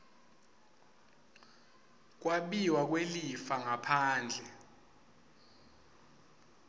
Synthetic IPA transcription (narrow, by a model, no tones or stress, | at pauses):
k̬ʼwaɓiwak̬welifaŋapʰaːnd͡ɮʱɛ